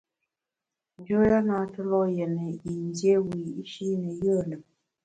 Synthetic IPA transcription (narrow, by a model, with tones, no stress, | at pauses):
n˦d͡ʒo˦ja˦na˨˦tə˦lɔ˦jɛ˨nə˨i˨n˦dje˦wi˨i˦ʃi˦ɾi˦nə˨jə˦˨lə˨